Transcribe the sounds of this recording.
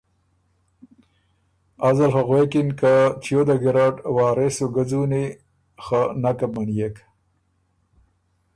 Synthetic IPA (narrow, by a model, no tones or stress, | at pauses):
azalxaɣwekinkat͡ʃjod̪aɡɪɾaʈwɑːɾesuɡad͡zuni | xanakamanijek